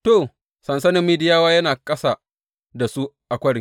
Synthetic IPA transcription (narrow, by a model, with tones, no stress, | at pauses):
toː˨ | sɐ˨nsɐ˦nɪ˦mːiː˦dɪ˦jaː˦waː˦jɐ˦naː˨kʼɐ˦sa˨ | da˨su˦ | ʔa˨kʷɐ˦ɽɪ˨˦ŋ